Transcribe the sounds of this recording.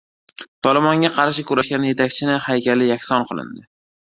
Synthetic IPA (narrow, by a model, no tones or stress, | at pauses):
t̪ʰɒlˠɪmɒŋɡʲaqʰɑɾʃɪkʲʊɾaʃɡʲanje̞t̪ʰakʲt͡ʃʰɪnɪhajkʲalɪjakʲsɒnqʰɨlˠɪ̰nd̪ɪ